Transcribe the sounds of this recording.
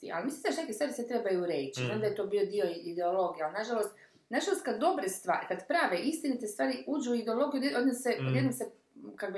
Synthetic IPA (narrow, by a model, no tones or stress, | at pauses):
t̪ḭa̰limisimaʃnekest̪aɾiset̪ɾe̞bajuɾet͡ɕiond̪ajet̪o̞ːbio̞d̪io̞id̪eolo̞ɡijealnaʒalˠost̪ | naʒalost̪̚kad̪ːo̞bɾest̪ʋa̰ːɾikad̪pɾaːʋeʔist̪init̪est̪ʋaːɾiuːd͡ʑuid̪eo̞lˠo̞ɡijud̪jod̪nosed̪jed̪nomse | kakobi